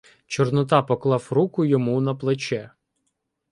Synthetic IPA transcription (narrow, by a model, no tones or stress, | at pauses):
t͡ʃɔrnɔt̪ɑpɔklˠɑwɾukʊjɔmunɐplˠet͡ʃɛ